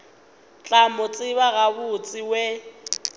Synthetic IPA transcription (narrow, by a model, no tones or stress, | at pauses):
t͡ɬʼamʊt͡sʼɪβaɣabʊt͡sʼɪwe